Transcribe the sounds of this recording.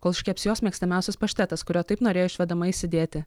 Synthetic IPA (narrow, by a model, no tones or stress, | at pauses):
koːlˠʃʲkʲɛpʲsjoːsmʲiɛksʲt̪ʲɐmʲæˑʊsʲɛspɐʃʲt̪ʲɛt̪ɐskʊɾʲoːt̪ɐɪpnoːɾʲeːjoʊɪʃʲʋʲɛd̪ɐmɐisʲɪd̪ʲeːt̪ʲɪ